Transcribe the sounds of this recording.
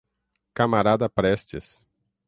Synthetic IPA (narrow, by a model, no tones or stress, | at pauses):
kamaɾad̪ɐpɾɛst͡ʃɪs